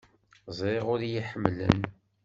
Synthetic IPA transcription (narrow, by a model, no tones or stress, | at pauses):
zˤeʁʊɾjiħəmːlə̰n